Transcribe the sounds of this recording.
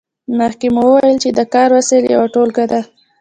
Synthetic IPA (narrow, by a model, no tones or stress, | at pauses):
məxkemowəwajəlt͡ʃed̪əkɑɾwasəlja̰waʈolɡad̪a